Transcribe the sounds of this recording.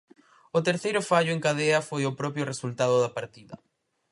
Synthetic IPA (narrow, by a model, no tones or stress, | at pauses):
ʊt̪eɾθejɾʊfaʎʊeŋkaðeɐfojʊpɾɔpjʊresult̪að̞ʊðɐpaɾt̪iðɐ